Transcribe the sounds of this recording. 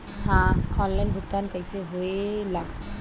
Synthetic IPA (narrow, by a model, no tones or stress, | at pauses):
hãɔnlajnbʱʊkt̪ankəjseɦoelaɡ